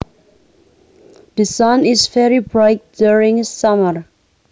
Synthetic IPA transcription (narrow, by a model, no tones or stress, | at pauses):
ðɨsʌ̃nɪzvɛɹibɹaɪk̚duɹɪ̃ŋsʌməɹ